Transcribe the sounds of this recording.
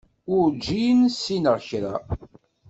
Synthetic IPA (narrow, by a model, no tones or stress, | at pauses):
ʊɾd͡ʒːijənsːinəɾçɾa̰